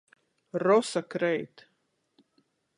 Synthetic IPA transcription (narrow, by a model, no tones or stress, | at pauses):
ɾɔsakɾɛjt̪